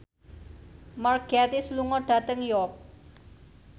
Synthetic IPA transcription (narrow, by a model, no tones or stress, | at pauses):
marɡ̥aɾisluŋɔɖ̥ä̤t̪əŋjɔk̚